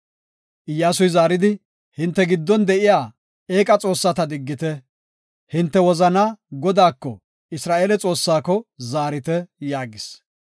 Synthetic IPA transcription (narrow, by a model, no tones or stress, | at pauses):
ʔɪjːaːsʊjzaːɾɪd̪ɪ | hɪnt̪ːɛɡɪd̪ːɔnd̪ɛʔɪjaː | eːkʼɐt͡sʼo̞ːsːat̪ɐd̪ɪɡːɪt̪ɛ | hɪnt̪ːɛwɔzɐnaɡɔd̪aːkːɔ | ɪsɾaːʔeːlɛt͡sʼo̞ːsːaːkɔzaːɾɪt̪ɛjaːɡɪs